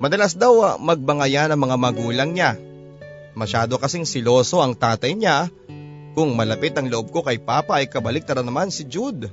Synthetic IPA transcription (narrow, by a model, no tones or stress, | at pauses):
mɐd̪ɐlasd̪awɐmɐɡ̚bɐŋɐjanɐŋmɐŋamɐɡuːlɐŋɲa | mɐʃaːd̪o̞kɐsiŋsɪlo̞ːso̞ʔɐŋt̪aːt̪ɐjɲa | kʊŋmɐlɐpɪt̪ɐŋloʔo̞b̚ko̞kɐjpaːpɐʔɐjkɐbɐlɪk̚t̪ɐɾɐnɐmansɪd͡ʒud̪